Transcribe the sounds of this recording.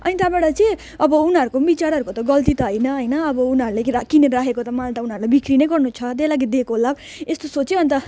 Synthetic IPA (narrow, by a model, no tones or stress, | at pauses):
ʌnit̪abaɽʌt͡sʌ̃ | ʌbʌunɦʌɾukombit͡saɾɦʌɾukot̪ʌɡʌlt̪it̪ʌɦʌjnʌɦʌjnʌʌbʌunɦʌɾuleakineɾakʰekot̪ʌmalt̪ʌunʌɾulajbikʰɾinʌjɡʌrnut͡sʰʌt̪elaɡid̪ekoɦolab | est̪osot͡sebʱʌnt̪ʌ